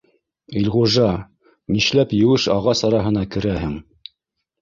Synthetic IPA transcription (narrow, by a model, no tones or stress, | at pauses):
ilʁuʒɑ | miʃlæpjɘ̆wɘʃɑʁɑsɑɾɑɦɤ̆nɑkɘ̆ɾæɦɘŋ